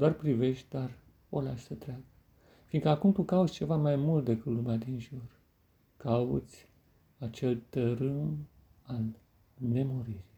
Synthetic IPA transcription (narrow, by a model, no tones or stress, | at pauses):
d̪oarpɾive̞ʃt̪̚ʲd̪ar | o̰laʃsət̪ɾeaɡə | finkəakumt̪ukaut̪sʲt͡ʃe̞vamajmult̪̚d̪ekɨt̪lumead̪inʒur | kaṵt̪sʲ | at͡ʃe̞lt̪əɾɨm | al | me̞moɾiri